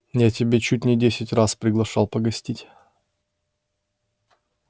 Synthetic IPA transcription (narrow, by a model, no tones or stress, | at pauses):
jatʲɪbʲet͡ɕutʲnʲɪdʲesʲɪtʲraspɾʲɪɡlˠɐʂɑlˠpəɡɐsʲtʲitʲ